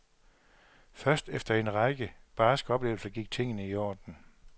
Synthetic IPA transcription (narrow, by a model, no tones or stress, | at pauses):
fɶɐsd̥efd̥ɐe̝nʁɑ̈ɪɡ̥əb̥ɑːsɡ̥ɒ̽b̥le̝ːʊl̩sɐɡ̥iɡ̥̚t͡sʰe̝ŋ̰ənəiɒ̰ːd̥n̩